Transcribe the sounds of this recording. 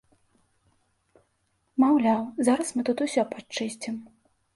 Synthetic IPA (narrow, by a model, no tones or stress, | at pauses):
mawlʲawzaɾɐsmɨt̪ut̪usʲɔpat͡ʂɨsʲt͡sʲim